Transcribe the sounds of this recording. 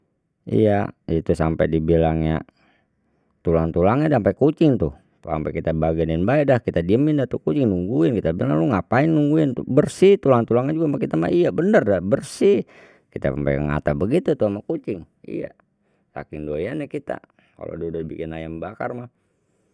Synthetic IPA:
ḭjait̪usampɛ̰dibilaŋɲa̰ | t̪ulaŋt̪ulaŋɲadampakut͡ʃɪŋt̪uh | t̪ua̰mpɛkit̪abaɡannbaɛdahkit̪adiəmindat̪ukut͡ʃɪŋnuŋɡuɪnkit̪abilaŋloŋapaiŋnuŋɡuɪnt̪ṵbərsit̪ulaŋt̪ulaŋɲad͡ʒuɡamakit̪ama̰ijabənərdabərsi | kit̪a̰ampa̰kəŋa̰t̪abəɡit̪ut̪uamakut͡ʃɪŋ | ḭja̰ | sa̰kɪŋdoianakit̪a̰ | ka̰lo̰dodobikɪnajambakarmah

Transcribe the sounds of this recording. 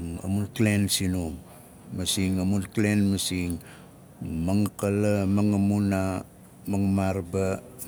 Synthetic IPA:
ŋa̰munklensinum | masiŋamunklenmasiŋ | maŋkalamaŋamuna | maŋmaɾba

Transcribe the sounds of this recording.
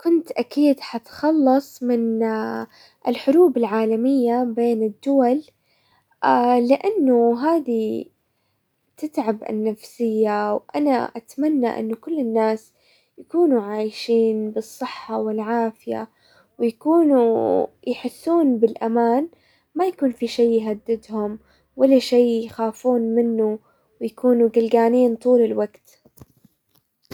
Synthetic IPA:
kʊnt̪ʔakiːd̪ħat̪xɑlːɑsˤmɪn | ʔɪlħʊɾuːbɪlʕaːlamɪjːabeːnɪd̪ːʊwal | ɪʔanːʊɦaːd̪i | t̪ɪt̪ʕabʔɪ̰nːafsɪjːawʔana̰ʔat̪manːa̰ʔɪ̰nːʊkʊlːɪnːaːs | jakuːnuʕaːjʃiːnbɨsˤːɨħːawɪlʕaːfɪja̰ | wjakuːnu | jħɪsːuːnbɪlʔamaːn | majakuːnfiʃejːɦad̪ːɪd̪hʊm | walːaʃeːjxaːfuːnmɪnːu | wjakuːnuɡɪlɡaːniːnt̪ˤuːlɪlwaɡt̪

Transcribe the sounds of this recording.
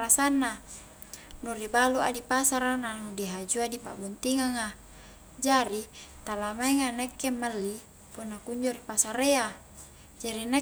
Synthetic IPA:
asanːa | nuribaluʔadipasaɾananudiɦad͡ʒuadipa̰bɔnt̪iŋaŋa | d͡ʒaɾit̪alamaiŋanekːemːalːi | punːakuɲd͡ʒoɾipasaɾea | d͡ʒaɾine

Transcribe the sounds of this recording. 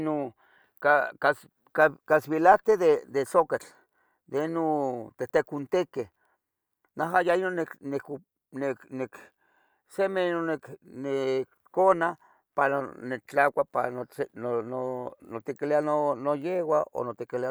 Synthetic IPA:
no | kakas | kakaswilat̪eðed̪esokat͡ɬ | d̪einot̪et̪ekunt̪eke | naɦajainoneknek | neknek | semenonekne | kona | paɾanet͡ɬakʷapa̰nonononot̪ikileanonojewao̰not̪ikilia

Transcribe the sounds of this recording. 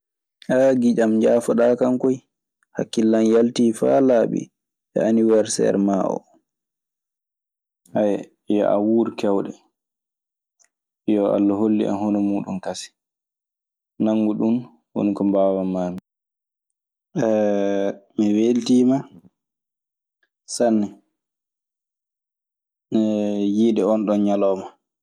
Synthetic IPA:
ʔaɡid͡ʒamɲd͡ʒaːfɔɗaːkaŋkɔj | hakːilːanjaltiːfa̰laɓḭ | ʔɛ̰ʔaniwaɾsɛ̰ɾmaʔɔ̰ | hajɛ | jɔ̰ʔa̰wuːɾkɛwɗɛ | jɔa̰lːaɦolːḭʔa̰nhɔnɔmuːɗunkasi̥ | naŋːɡuɗun | wo̰nikɔmbawamaːmi | ɛ | mɛweltiːma | sanːɛ | ɛjiɗɛɔnɗɔnɲalɔːma

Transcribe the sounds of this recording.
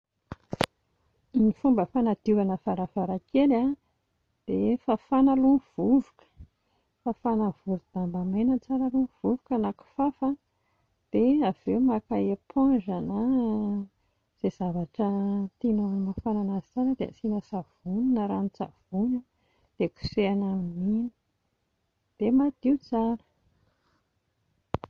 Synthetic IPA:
nifumbəfanad̪̥ivanəv̥aɾavaɾakela | d̪̥efafanaluv̥uvukə̥ | fafanavuɾud̪̥ambamenət͡saɾalunv̥uvukanaku̥fafa | d̪̥eavewmakaepʰãɳʐana | z̥ez̥avaʈ͡ʂət̪inanimafananazizanəd̪ea̰sinəsav̥uninəɾanit͡sa̰vunə | d̪̥eku̥seanaminini̥ | d̪̥emad̪iut͡saɾə̥

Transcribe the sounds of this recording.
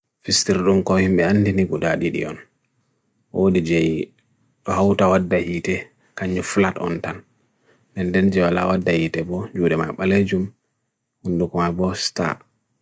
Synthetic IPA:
fistiɾɗumkɔhimɓɛandiniɡudaɗiɗḭɔn | ʔodid͡ʒɛj | ɗɔhawtawadːahiːtɛ | kaɲːufulatɔ̰ntan | dɛndɛnd͡ʒɛwala̰wadːahitɛbɔd͡ʒuːɗɛma̰jɓaled͡ʒum | hundukɔmajbɔsta̰

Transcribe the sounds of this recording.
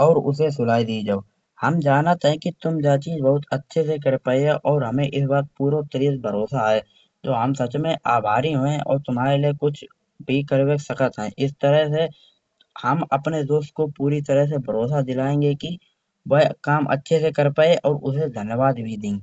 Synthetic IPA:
ɔːɾʊ̰s̬es̬ʊlaːid̪iːd͡ʒaːoː | hɐmd͡ʒaːnət̪ɦɛ̃kit̪ʊmd͡ʒaːt͡ʃiːzbɐɦʊt̪ətːʃʰes̬ek̬əɾpaːeʔɔːɾɦɐmẽʔɪs̬baːt̪̚puːɾot̪əɾiːzbʱəɾoːsaɦɛː | d͡ʒ̪oːɦəmsɐt͡ʃmẽʔaːbʱaːɾiɦõʔɔ̰ːɾt̪ʊmɦaːɾeliekʊt͡ʃʰ | bʱikəɾweksɐkət̪ɦɛ̃ʔɪst̪əɾəɦse | hɐmɐpned̪oːst̪̚kopuːɾit̪əɾəɦs̬ebʱəɾoːsad͡ʒ̪ɪlaːẽːŋɡeki | ʋəkaːmʔə̰tːʃʰesekəɾpaːeʔɔːɾʊsed̪ʱənjəʋaːd̪bʱid̪ẽːɡ

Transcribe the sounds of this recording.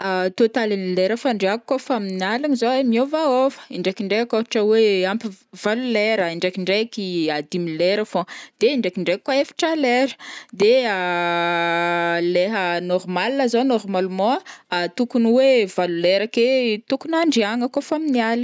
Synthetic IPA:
at̪ot̪alinileɾəfaɳɖ͡ʐeakkːofaminialanizoemiovaofə̥iɳɖ͡ʐekiɳɖ͡ʐeakofḁʈ͡ʂəweampivaluleɾəiɳɖ͡ʐekiɳɖ͡ʐekiad̪imileɾafõd̪̥eiɳɖ͡ʐekiɳɖ͡ʐekːwaefḁʈ͡ʂəleɾə̥d̪ea | leɦənɔrmalinəzonɔrmalmɔ̃at̪ukuniwevaluleɾaket̪ukunaɳɖ͡ʐiaŋəkofaminiali

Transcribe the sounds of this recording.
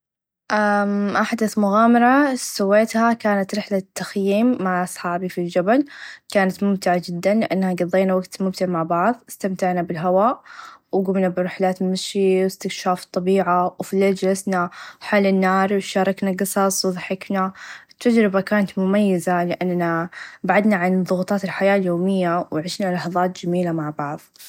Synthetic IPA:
ʔaʔaħd̪aθmʊɣaːmɑɾˤɑsʊwːeːt̪hakaːnat̪ɾɪħlat̪ːaxjiːmːaʕʔɑsˤħɑːbifild͡ʒabalkaːnat̪mʊmt̪ɪʕad͡ʒɪd̪ːanlɪʔanːhaɡɑðˤːeːnawaɡt̪mʊmt̪ɪʕmaʕbɑʕðˤɪst̪amt̪aʕnabɪlɦawaːʔwɡʊmnabɪɾɪħlaːt̪mɪʃiwɪst̪ɪkʃaːft̪ˤːɑbiːʕawfileːld͡ʒalasnaħaːlɪnːɑːɾˤwʃɑːɾˤɑknaɡɨsˤɑsˤwðˤɑħɪknat̪ːad͡ʒɾɪbakaːnat̪mʊmajːazalɪʔanːabaʕad̪naʕanðˤʊɣt̪ˤɑːt̪ɪlħajaːljoːmɪjːawɪʕɪʃnalɑħðˤɑːt̪d͡ʒamiːlamaʕbɑʕðˤ

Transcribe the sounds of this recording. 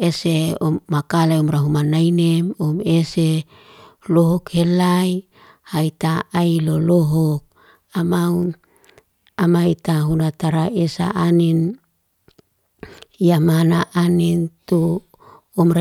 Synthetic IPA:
eseomːakalajomɾaɦumanainemomese | loɦokhelaj | hait̪aailoloɦok̚ | amaun | amait̪aɦunat̪aɾaesa̰ʔanin | jamanaʔanint̪uː | mɾa

